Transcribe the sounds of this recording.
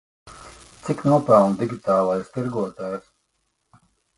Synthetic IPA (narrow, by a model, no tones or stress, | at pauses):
t̪siknuɔpawnd̪iɡʲit̪aːlˠajst̪iɾɡuɔt̪aːjs